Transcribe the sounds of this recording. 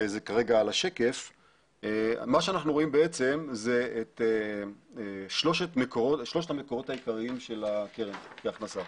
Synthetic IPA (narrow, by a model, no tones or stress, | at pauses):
zekaʁe̞ɡaːlaʃeke̞f | emaʃeanaχnuʁo̞imbeet͡se̞mzeet̪eeʃlo̞ʃet̪mekoʁo̞tʃlo̞ʃthameko̞ʁo̞t̪hajikaʁiimʃe̞lakeʁenbeaχnasa